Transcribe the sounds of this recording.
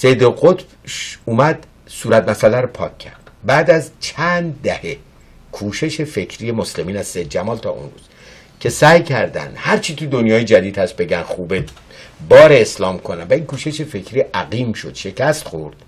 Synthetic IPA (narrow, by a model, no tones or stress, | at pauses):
sejd̪oɣot̪b | uːmæd̪ | suːɾæt̪̚mæsælæɾopʰɒːkʰːæ̰ɾd̪̥bæːd̪æzt͡ʃʰænd̪d̪ːæhe | kʰuːʃe̞ʃe̞fe̞cʰɾije̞mosle̞miːnæzsejd̪̚d͡ʒæmɒːlt̪ʰɒ̰ːʔṵnɾṵːz̥ | cʰe̞sæːjcʰæɾd̪æ̰nd̪̥hæɾt͡ʃʰit̪ʰud̪onjɒːjed͡ʒæd̪iːd̪hæs̚be̞ɡænxuːbe | bɒːɾeːslɒːmkʰonænvæiːŋkʰuːʃe̞ʃe̞fe̞kʰɾiːʔæɣiːmʃo̞d̪̥ʃe̞cʰæst̪χo̞ɾd̪̥